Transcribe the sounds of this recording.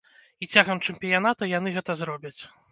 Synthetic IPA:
it͡sʲaɣɐmt͡ʂɨmpʲijan̪at̪ɐjan̪ɨɣɛt̪ɐzɾɔbʲɐt͡sʲ

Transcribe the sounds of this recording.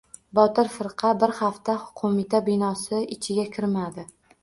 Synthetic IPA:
bɒt̪ɪɾfɪɾqʰɑbɪɾhaft̪ahʊ̥qʰomɪt̪ʰabɪnɒsɪɪt͡ʃʰɪɡʲakʲʰɪɾmad̪ɪ

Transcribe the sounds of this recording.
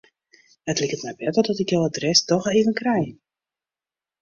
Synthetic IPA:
ətlikətmɛjbɛtɔlˠdɔtɪkjoadrɛstɔxeːvənkrɛj

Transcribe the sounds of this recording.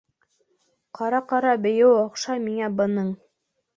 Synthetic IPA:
qʰɑɾɑqɑɾɑbɘ̆jɘwɑqʃɑmiŋæbɤ̆nɤɴ

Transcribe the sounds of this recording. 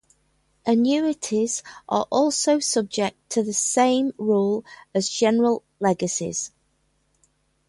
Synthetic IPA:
ʔənjʉːɪtʰɪz̥ʔə̰ɹʔɔˑlˠsoʊsʊb̚d͡ʒɛk̚tʰəðəsẽɪ̃mɹɔːləzd͡ʒɛnəɹəlˠ | lɛɡəsɪ̰z̥

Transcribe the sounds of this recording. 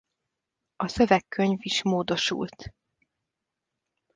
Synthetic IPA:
ɒsøvɛkːø̞ɲviʃmoːd̪o̞ʃṵlt̪

